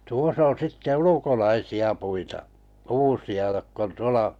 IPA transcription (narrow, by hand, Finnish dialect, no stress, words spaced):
tuos on̞ sitːe ulukolɑisiɑ puitɑʔ kuːsiɑ jokː on tuolɑ